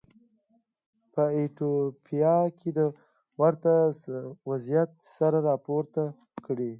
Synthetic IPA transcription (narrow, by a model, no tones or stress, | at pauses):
pəeʈopʰijɑkʰed̪ə | waɾt̪awazijat̪̚saɾaɾɑpoɾt̪a | kəɽi